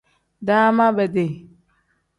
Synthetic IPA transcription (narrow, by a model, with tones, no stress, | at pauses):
da˦ma˦bɛ˨de˨